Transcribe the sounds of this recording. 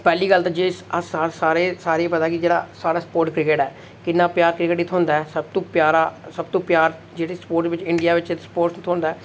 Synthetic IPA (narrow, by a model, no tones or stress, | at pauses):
pɛːliːɡəlt̪aːd͡ʒeːsasaːsaːɾeːsaːɾeːpət̪aːkɪd͡ʒeːɽa̰ːsaːɾaːsə̥poːɾʈkɾɪkeːʈɛː | kɪnːãːpjaːɾkɾɪkeːʈit̪ʰoɦʊːnd̪aːɛːsəb̚t̪õːpjaːɾaːsəb̚t̪õːpjaːɾ | d͡ʒeːɽeːspoːɾʈʋɪt͡ʃɪɳɖijaːʋɪt͡ʃɪt̪spoːɾʈsːt̪ʰõːnd̪aɛː